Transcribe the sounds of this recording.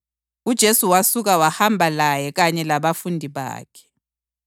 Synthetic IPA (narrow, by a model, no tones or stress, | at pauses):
ud̥ʒ̥ʱesuwasuɣ̬awahambʱalajɛɣ̬aɲɛlaβafundʱiβa̰ːkʰɛ̥